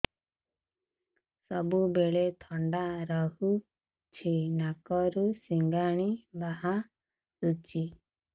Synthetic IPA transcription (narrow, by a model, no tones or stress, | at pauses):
sɔbubeɭet̪ʰɔɳɖaɾɔɦu | t͡ʃʰinakɔɾusiŋɡaɽ̃ibaɦa | sut͡ʃi